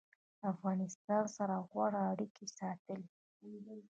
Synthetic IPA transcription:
afɣɑnɪst̪ɑnsaɾaɣwaɽaːɽikesɑt̪əle

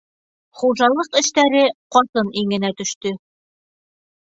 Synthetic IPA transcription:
χuʒɑlˠɤqɘ̆ʃt̪æɾɘqɒt̪ɤniŋɘ̆næt̪ɵ̆ʃt̪ɵ

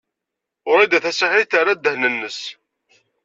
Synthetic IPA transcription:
ʊɾˤæjd̪æθæsaħiθaɾad̪ːəhnənːəs

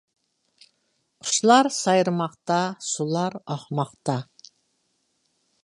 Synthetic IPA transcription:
qʰʊ̥ʃlˠɑɾsɑjɾmɑqt̪ɑsulˠɑɾɑχmɑqt̪ɑ

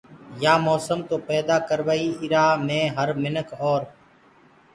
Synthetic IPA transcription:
jaːmoːsəmt̪oːpɛːd̪aːkəɾʋaːiːɪɾaːmẽːɦəɾmɪnəkʰɔːɾ

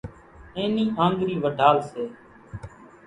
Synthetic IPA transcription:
ẽːnĩːɦãːŋɡɾiːʋəɖʱaːlseː

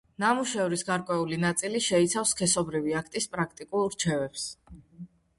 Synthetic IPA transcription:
namuʃɛvɾisɡaɾkʼwɛulinat̪sʼiliʃɛit̪sʰafskʰɛsɔbɾiviakʰt̪ʼispʼɾak̚ʰt̪ʼikʼulˠɾt͡ʃʰɛvɛps

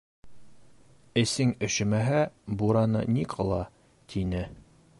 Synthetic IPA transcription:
ɘ̆sɘŋɘ̆ɕɘ̆mæɦæbuɾɑnɤ̰niqʰɤ̆lˠɑ | t̪ʰinɘ

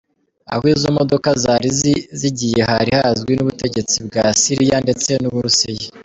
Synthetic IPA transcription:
a̰hwiːzomo̞do̞kazaɾiziɟije̞haɾihazɡwinuβute̞ɟe̞t͡sibɡasiɾijande̞t͡se̞nuβuɾuseje

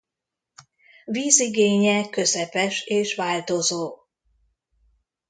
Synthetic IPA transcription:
viːziɡeːɲɛkø̞zɛpɛʃeːʃʋaːlt̪o̞zoː

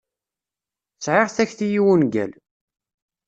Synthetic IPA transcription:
t͡sʕɪʁθæçθijiwunɡæ̰l

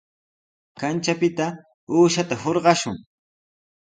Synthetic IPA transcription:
kant͡ʃapɪt̪a | uːʃat̪ahoɾɢɑʃʊŋ

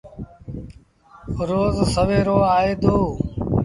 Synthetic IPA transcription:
ɾoːzsəʋeːɾoːaːɦeːd̪oː

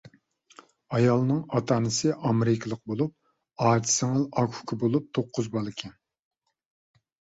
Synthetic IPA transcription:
ɑjɑlˠnɨŋɑt̪ʰɑːnɨsɨʔɑmɾɪkʰʲɪlˠəq̚bolˠup̚ | ɑːt͡ʃʰi̥sɪŋɨlɑkʰu̥kʰɪbolˠup̚t̪ʰoqʰːʊzbɑlˠɪkʲʰɛn

